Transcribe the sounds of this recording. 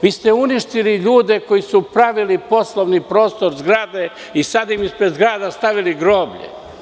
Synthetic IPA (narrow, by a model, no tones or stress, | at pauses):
ʋiːst̪euniʃt̪iliʎuːd̪e̞kojisupɾaʋilipo̞slˠoʋnipɾo̞ːst̪o̞ɾzɡɾaːd̪e | isad̪imispɾed̪zɡɾaːd̪ast̪aʋiliɡɾo̞ːbʎḛ